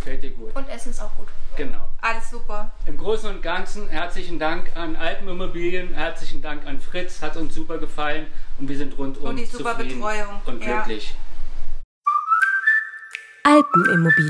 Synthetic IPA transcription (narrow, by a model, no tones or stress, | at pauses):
fɛlt̚iɐɡuːtʊntʔɛsn̩saʊxɡ̥uːtɡ̥əna̰ʊʔaləsz̥uːpɐʔɪmɡʁoːsn̩ʊnt̚ɡ̥ant͡sn̩hɛɐt͡slɪçn̩daŋkanʔaltm̩ɪmobiːljənhɛɐt͡slɪçn̩daŋkanfʁ̥ɪt͡shatʊnsz̥uːpɐɡəfalənʊntv̥iːɐzɪntʁʊntʔʊmizuːupɐbəitʁɔʏʊŋʔʊntɪkʰlɪç | ʔaltn̩ʔɪmobiː